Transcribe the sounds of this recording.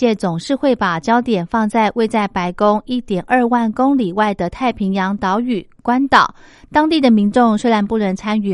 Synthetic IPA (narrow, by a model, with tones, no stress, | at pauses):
jɛ˥˩t͡sʊ˨˩ŋʂɻ̩˥˧xwe˥˩ɪpa˨˩t͡ɕjɑ˥ʊt̪jɛ˨˩nfɑ˥˧ŋt͡sa˥˧ɪwʔe˥˧ɪt͡sa˥˩ɪpa˧˥ɪkʊ˥ŋi˥˩t̪jɛ˨˩nʔə˞˥˧wa˥˩nkʊ˥ŋli˨˩wa˥˩ɪd̪ə˨t̪ʰa˥˩ɪpʰi˧˥ŋjɑ˧˥ŋt̪ɑ˧˥ʊy˨˩kwa˥nt̪ɑ˨˩˦ʊ | t̪ɑ˥ŋt̪i˥˩d̪ə˩mi˧˥nʈ͡ʂʊ˥˧ŋʂə˥˧la˧˥npu˥˩ɻə˧˥nt͡sʰa˥ny˨˩